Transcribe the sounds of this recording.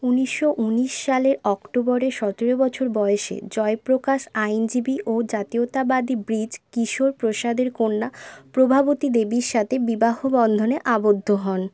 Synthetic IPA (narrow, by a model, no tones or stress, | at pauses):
uniʃoʔuniʃːaleɾɔkʈobɔɾeʃɔt̪eɾobɔt͡ɕʰoɾbɔeeʃḛd͡ʑɔepɾokaʃajnd͡ʑibiʔod͡ʑat̪iot̪abad̪ibɾid͡ʑkiʃoɾpɾoʃad̪eɾkonːapɾobʱabot̪id̪ebiɾʃat̪ʰebibaɦobɔnd̪ʱoneʔabod̪ʱːoɦɔn